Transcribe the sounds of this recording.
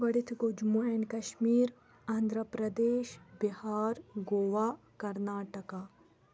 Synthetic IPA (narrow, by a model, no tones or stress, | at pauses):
bɐɽit̪ʰɡod͡ʒmuenkɐʃmiːɾ | ɐnd̪ʱɾəpɾɐd̪eːʃbihaːɾɡoːʋaː | kɐɾnaːʈɐkaː